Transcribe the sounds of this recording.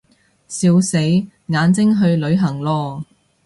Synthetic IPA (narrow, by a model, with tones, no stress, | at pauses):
siː˧wse˨˥j | ŋaː˨˧nt͡sɪ˥ŋɦɵ˧ɥlɵ˨˧ɥɦɐ˨˩ŋlɔː˧